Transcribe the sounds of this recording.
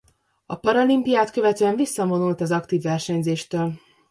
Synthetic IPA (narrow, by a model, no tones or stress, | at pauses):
ɒpɒɾɒlimpijaːt̪kø̞vɛt̪øɛɱvisːɒmo̞nult̪ɛzɒkt̪iːvːɛrʃɛɲzeːʃt̪øːl